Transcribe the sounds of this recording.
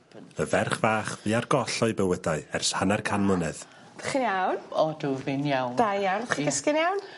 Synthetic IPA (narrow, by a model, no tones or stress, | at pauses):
əvɛrχvaːχviːarɡɔɬɔɨbəwədaɨɛrshanarkʰanmənɛð | daχinjawnɔduvɪnjawnd̥ajanχiɡəskɪnjawn